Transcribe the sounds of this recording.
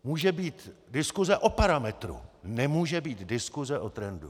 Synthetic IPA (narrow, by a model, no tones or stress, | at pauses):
muːʒɛbiːt̪dɪskuzɛʔo̞paɾamɛt̪ɾṵnɛmuːʒɛbiːt̪dɪskuzɛʔot̪ɾɛndu